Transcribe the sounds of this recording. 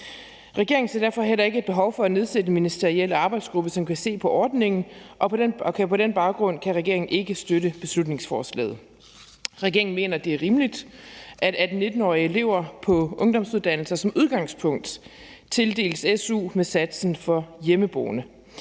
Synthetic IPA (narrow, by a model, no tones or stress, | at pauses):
ʁɛɡ̥e̝ɐŋn̩sɑdæɐfɒ̽ɦel̰ɐe̝ɡəed̥̚b̥e̝ɦɒ̽ʊfɒ̽æne̝ð̞ˠsed̥əminisd̥eɐʁiel̰əɑ̈ːb̥ɑ̈ɪd̥sɡ̥ʁub̥əsɒ̽mkʰæse̝̰ːpʰɒ̽ʔɒːd̥ne̝ŋn̩ʔɒ̽kʰpʰɒ̽ɾenb̥ɑ̈ʊɡ̥ʁɔ̽n̰kʰæʁɛɡ̥e̝ɐeŋn̩ʔe̝ɡ̥əsd̥øɾəb̥e̝slud̥ne̝ŋsfɒːslɛ̰ːð̩ˠ | ʁɛɡ̥e̝ɐeŋn̩me̝ːnɐd̥e̝æɐʁiːmlid̥ʔæɾæd̥nːe̝d̥n̩ɒ̰ːiele̝ʊ̰ɐpʰɒ̽ɔ̽ŋd̥ɒ̽msuð̞ˠd̥æn̰l̩sɐsɒ̽muðˠɡ̥ɑ̈ŋ̰spʰɔ̽ŋ̰d̥ | t͡sʰe̝ld̥e̝̰ːləsesṵːmesæd̥sn̩fɒ̽jeməb̥o̰ːnə